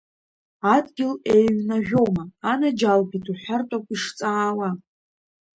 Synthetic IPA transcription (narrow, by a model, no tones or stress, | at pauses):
adɡʲɪle̞jɥnaʒʲᶣo̞maːnad͡ʒalbitʰuħʷartʷʼakʷiʂt͡sʼaːwa